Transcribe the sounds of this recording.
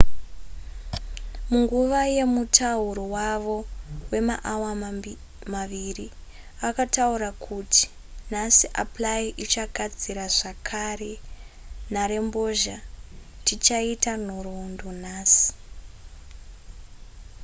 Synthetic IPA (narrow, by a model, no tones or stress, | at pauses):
muŋɡuʋaje̞mutʰauɾowaʋo̞we̞maʔawa | maʋiri | akatauɾakʰutʰi̥ | nasiʔaplaiʔit͡ʃaɡʱad͡ziɾaʐakʰare | naɾe̞mbo̞ʒatit͡ʃaitan̤oɾondon̤aːsi̥